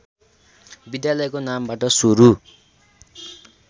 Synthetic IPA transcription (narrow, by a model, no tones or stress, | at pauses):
bid̪jalʌjkonambaʈʌsuɾu